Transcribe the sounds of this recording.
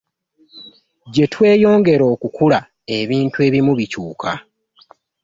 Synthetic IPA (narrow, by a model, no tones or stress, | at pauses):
ɟe̞twe̞ːjo̞ːŋɡe̞ɾo̞ːkukula | e̞βiːntue̞ːβimuβicuːkʰa